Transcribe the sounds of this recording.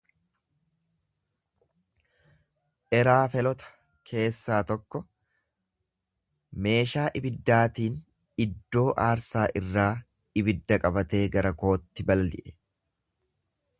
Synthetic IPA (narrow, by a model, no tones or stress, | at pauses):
ʔɛɾaːfɛlɔt̪ɐ̥ | kʰe̞ːsːaːt̪ɔkːɔ | me̞ːʃaːʔɪbɪd̪ːaːt̪iːn | ɪd̪ːo̞ːʔaːɾsaːʔɪrːaː | ɪbɪd̪ːɐkʼɐbɐt̪e̞ːɡɐɾɐko̞ːt̪ːɪbɐlɐlɪ̰ʔɛ̥